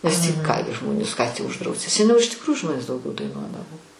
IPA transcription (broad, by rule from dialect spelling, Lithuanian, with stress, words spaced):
nʲɛs tʲiː ˈkɐɪmʲɛ ˈʒmoːnʲɪs kɑː tʲiː ʊʒˈdrɐʊsʲɪ sʲɛˈnʲɛʊ ɪʃ tʲɪkˈruːjʊ ˈʒmoːnʲeːs dɐʊˈɡʲɛʊ dɐɪˈnuɔdɐʋoː